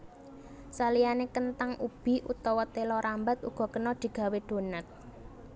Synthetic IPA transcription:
salianekənt̪aŋʔub̥i̤ʔut̪ɔwɔt̪elɔɾambat̪̚ṵɡ̥ɔ̤kənɔd̪̥i̤ɡ̥a̤wed̪̥o̤nat̪̚

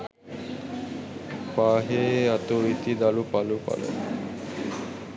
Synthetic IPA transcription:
paɦeat̪oit̪id̪alupalupa̰lḛ

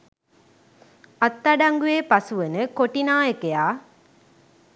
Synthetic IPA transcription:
ɐt̪ːɐɖaŋɡujeːpɐsuʋənəkoʈinaːjəkejaː

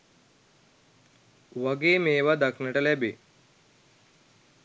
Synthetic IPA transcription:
ʋaɡeːmeːʋad̪aknəʈəlæbe

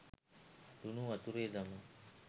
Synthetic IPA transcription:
d̪unuat̪uɾeːd̪amə

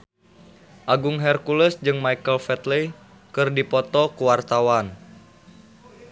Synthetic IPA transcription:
ʔaɡuŋɦɛrkuləsd͡ʒɨŋmaikəlfɛt̪le | kɨrdipɔt̪ɔkuwart̪awan

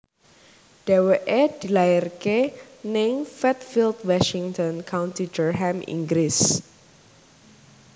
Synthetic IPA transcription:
d̥ɛweʔed̪̥i̤laɪrkenɪŋfɛt̪̚filt̪waʃiŋt̪ɔnkʰawnt̪idərɦɛmḭŋɡɾɪs

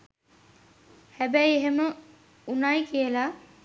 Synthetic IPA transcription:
hæbæjeɦemə | unajkijəla

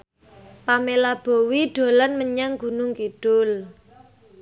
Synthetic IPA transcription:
pamelab̥o̤wiɖ̥o̤lanməɲaŋɡ̥ṳnʊŋkiɖ̥ʊl

